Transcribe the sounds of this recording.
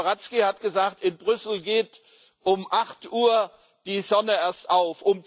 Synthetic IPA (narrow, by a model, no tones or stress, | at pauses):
ʁat͡skihatɡ̥əzaːktɪnbʁʏsl̩ɡeːt | ʔʊmʔaχtʔuːɐ | d̥iːzɔnəeːɐstaʊfʔʊm